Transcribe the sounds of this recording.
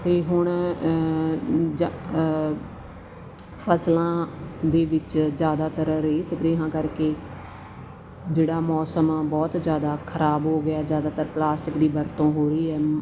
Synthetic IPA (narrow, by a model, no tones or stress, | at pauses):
t̪eːɦʊɳ | d͡ʒ | pʰəslãːd̪eːʋɪt͡ʃzjaːd̪aːt̪əɾɾeːsəpɾeːɦãːkəɾkeː | d͡ʒeːɽaːmɔːsəmbɔːt̪d͡ʒjaːd̪aːkʰəɾaːbɦoːɡɪjaːzjaːd̪aːt̪əɾplaːsʈɪkd̪iːbəɾt̪õːɦoːɾəiːɛː